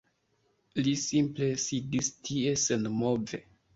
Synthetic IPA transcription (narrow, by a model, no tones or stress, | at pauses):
lisimple̞sidistʰiesenmove